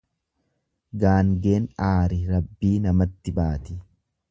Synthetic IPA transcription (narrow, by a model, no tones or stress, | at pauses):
ɡaːŋɡe̞ːnaːɾɪɾɐbːiːnɐmɐt̪ːɪbaːt̪ɪ